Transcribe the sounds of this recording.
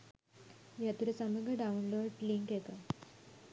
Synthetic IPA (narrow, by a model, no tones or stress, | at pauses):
ʋjat̪uɾesəməɡəɖaunloɖliŋkjeka